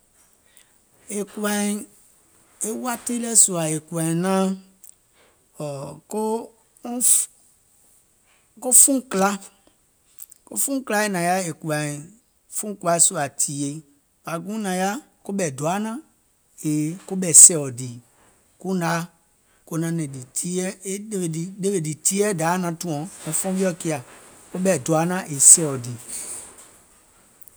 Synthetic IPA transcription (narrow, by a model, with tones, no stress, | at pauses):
e˨ku˦a˨ | e˦wa˦te˦lɛ˦su˨a˨e˨kʷã˨nã˦ | ɔ˨ko˦ | ko˦fũ˦kla˦ | ko̰˦fũ˦kla˦e˦nã˨ja˦e˨ku˨a˨ | fũ˦kʷa˨˦e˦su˦a˨tʰi˨je˨ | fa˨ɡũ˦nã˨ja˦ | ko˦ɓɛ˨du˨a˨˦nã˦ | e˨ko˦bɛ˨sɛ˦˨ɔ˨di˨ | kũ˦da˨˦ | ko˧˦nã˧˦nɛ̃˨di˨tʰi˦ɛ˦e˦e˦be˨i˨de˦be˨di˨ti˦ɛ˦daː˨˦nã˧tũ˨˦ɔ̃˨ŋɔ̃˨˦fɔ̃˦vi˦ɔ˦ki˦˧a˨ko˦ɓɛ˨du˨a˨˦nã˦ʔe˨sɛ˦˨ɔ˨di˨